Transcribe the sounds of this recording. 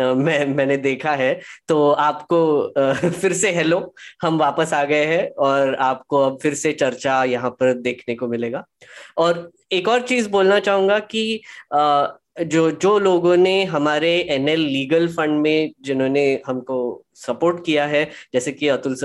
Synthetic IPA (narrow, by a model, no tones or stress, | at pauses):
mɛ̃ːmɛ̃ːned̪eːkʰaɦɛt̪oːaːpko | fɪɾseɦɛːlõhɐmʋaːpəsaːɡɐeɦɛ̃ɔːɾaːp̚koɐb̚fɪɾset͡ʃɐɾt͡ʃajɐɦãpɐɾd̪eːkʰnekomɪleːɡaː | ɔːɾ | eːkɔːɾt͡ʃiːzboːlnat͡ʃaːɦũːŋɡaki | d͡ʒoːd͡ʒoːloːɡõneɦɐmaːɾeɛːnɛlːiːɡəlfɐ̃ɳɖmẽd͡ʒɪnɦõːneɦɐmko | sɐpoːɾʈkijaɦɛd͡ʒɛːsekiɐt̪ʊls